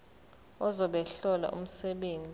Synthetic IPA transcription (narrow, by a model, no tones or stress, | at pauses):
ɔzɔɓɛɬɔla̰ʔṵm̩sɛɓeːnd͡zʱʼ